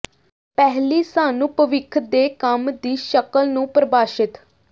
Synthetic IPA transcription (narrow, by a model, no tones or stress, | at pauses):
pɛɦliːsaːnũːpəʋɪkʰd̪eːkəmd̪iːʃəkəlnũːpɾəbaːʃɪt̪